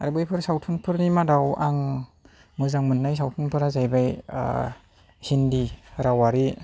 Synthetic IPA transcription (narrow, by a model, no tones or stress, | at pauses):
aɾbɯjpʰɯɾsawtʰunpʰɯɾnimadawaŋ | mɯzaŋmɯnːajs̬awtʰunpʰɯɾazajbaj̰ | hindiɾawaɾi